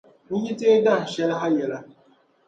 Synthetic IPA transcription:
ni˦ɲi˦te˦da˦˨n̩˨ʃe˦ɾɦa˦je˨ɾa˦

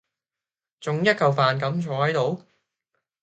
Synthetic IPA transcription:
t͡sʊ˨˧ŋjɐ˥t̚kɐ˨wfaː˨nkɐ˨˥mt͡ʃʰɔː˨˥hɐ˨˥jt̪o˨˧w

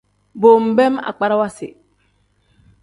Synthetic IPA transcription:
bo˨m˨bɛ˦ma̰˨k͡pa˦ɾa˦wa˦si˨

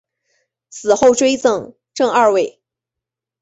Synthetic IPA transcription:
sʰɹ̩˨˩xo˥˩ʊʈ͡ʂwe˥ɪt͡sɤ˥˧ŋ | ʈ͡ʂɤ˥˧ŋa˥˧we˥˩ɪ

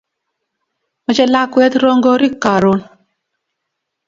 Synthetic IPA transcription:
mɔ˨t͡ʃe˦la˦kwɛ˦t̪ɾo˦ŋɡo˦ɾi˦kːa˨ɾo˦n

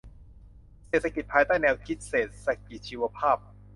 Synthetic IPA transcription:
seː˨˩t̪ʰːa˧ki˨˩t̪̚pʰaː˧jt̪aː˥˩jnɛː˧wkʰi˦˥t̪̚seː˨˩t̪̚sa˧˥ki˨˩t̪̚t͡ɕʰiː˧wa˧pʰaː˥˩p̚

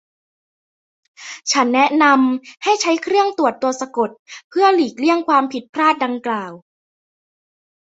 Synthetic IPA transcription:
t͡ɕʰa˦˥nːɛ˦˥ʔna˧mha˥˩jt͡ɕʰa˦˥jkʰɾɯ˥˩əŋt̪u˨˩ət̪ːu˧ɐsa˧ko˨˩t̪̚pʰɯ˥˩əliː˨˩k̚li˥˩əŋkʰwaː˧mpʰi˨˩t̪̚pʰɾaː˥˩t̪̚da˧ŋklaː˨˩w

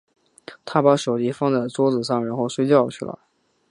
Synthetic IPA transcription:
t̪ʰa˥pa˧˥ʂo˨˩ʊt͡ɕi˧˥fɑ˥ŋt͡sa˥˩ɪt͡swɔ˥t͡sɹ̩˨˩ʂɑ˥˩ŋɻə˧˥nxo˥˧ʊʂwe˥ɪt͡ɕjɑ˥˧ʊt͡ɕʰy˥˩lə̰˩

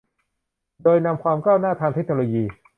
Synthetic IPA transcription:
doː˧jna˧mkʰwaː˧mkaː˥˩wnaː˥˩t̪ʰaː˧ŋt̪ʰe˦˥k̚noː˧loː˧jiː˧

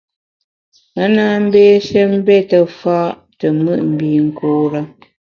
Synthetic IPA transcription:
ə˦naː˦˨m̩˦beː˦ʃɛ˦m̩˦bɛ˦tə˨fa˦ʔ | tə˨mɨ˦˨ʔm̩˨biː˨ŋ̩˨koː˦ɾə˦

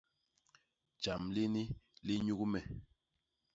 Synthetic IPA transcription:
d͡ʒa˨mli˦ni˦li˦ɲu˦ku˦mɛ˨

